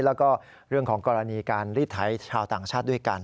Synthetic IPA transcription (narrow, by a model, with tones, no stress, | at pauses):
lɛː˦˥wkɔː˥˩ | ɾɯ˥˩əŋkʰɔː˩˦ŋkɔː˧ɾa˧niː˧kaː˧nɾiː˥˩t̪ʰa˩˦˥jt͡ɕʰaː˧wt̪aː˨˩ŋt͡ɕʰaː˥˩t̪̚du˥˩əjka˧n